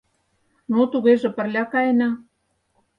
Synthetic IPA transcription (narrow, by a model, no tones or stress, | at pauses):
not̪uɣeʒĕpə̆rlʲɑkɑjenɑ